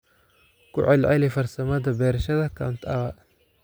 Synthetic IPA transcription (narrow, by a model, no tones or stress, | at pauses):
kʰʊ̰ʕɛlʕɛlifɐrsɐmɐðɐbɛːɾɐʃɐðɐkʰɐʊnt̪ʰɐβɐʔ